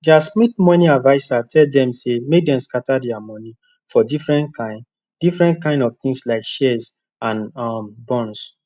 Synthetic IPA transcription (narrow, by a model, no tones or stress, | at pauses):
d͡ʒastmit̚mɔ̃nĩadvaɪsatʰɛldɛ̃msemek̚dɛ̃mskatadɛamɔni | fɔdifɹɛ̃ntkʰãɪ̃n | difɹɛ̃nt̚kãɪ̃ndɔvt̪ĩŋslaɪkʃɛs | ãnɔmbɔ̃ns